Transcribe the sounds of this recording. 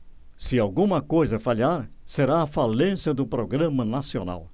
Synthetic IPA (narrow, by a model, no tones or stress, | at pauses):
sɪawɡũmɐkojzɐfaʎaɾseɾaːfalẽsjɐd̪ʊpɾoɡɾɐ̃mɐnasiona̰w